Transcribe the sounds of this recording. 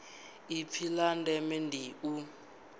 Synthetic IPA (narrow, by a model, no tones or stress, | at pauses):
ipʰilandɛmɛndiʔu